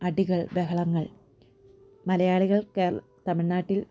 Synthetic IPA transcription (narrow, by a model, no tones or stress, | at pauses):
ɐɽiɣɐɭʋeɦɐɭɐŋːɐɭ | mɐlɐjaːɭiɣɐɭkeːr | t̪ɐmiɭnaːʈːil